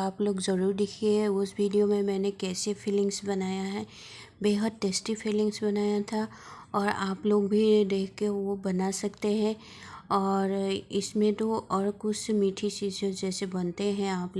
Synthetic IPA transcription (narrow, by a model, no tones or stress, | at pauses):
aːploːɡzɐɾuːɾd̪ɪkʰeɦɛʊsʋiːɖijomẽmɛ̃ːnekɛːsefɪlɪ̃ŋɡsbɐnaːjaɦɛː | beːɦəd̪̚ʈeːsʈifɪlɪ̃ŋɡsbɐnaːjat̪ʰa | ɔːɾaːploːɡbʱid̪eːkʰkeʋobɐnasɐkt̪eɦɛ̃ | ɔːɾɪsmẽt̪oʔɔːɾkʊt͡ʃʰmiːʈʰit͡ʃiːzd͡ʒod͡ʒɛːsebɐnt̪eɦɛ̃aːp